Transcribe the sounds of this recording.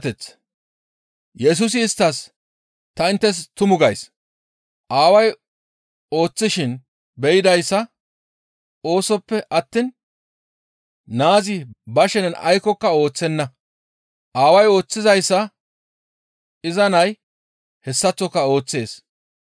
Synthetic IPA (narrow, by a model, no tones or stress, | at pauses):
t̪ɛt͡s | jɛs̬ʊs̬ɪːst̪ːɐs | t̪ɐɪnt̪ːɛs̬t̪ʊmʊɡɐjs | ʔaːwɐj | o̞ːt͡sːɪʃɪn | bɛjɪd̪ɐjsːɐ | o̞ːsɔpːɛʔɐt̪ːɪn | naːzɪbɐʃɛnɛnɐ̰jkɔkːɐo̞ːt͡sːɛnːɐ | ʔaːwɐjo̞ːt͡sːɪzɐjsːɐ | ɪzɐnɐj | hɛsːɐt͡sːɔkːɐo̞ːt͡sːe̞ːs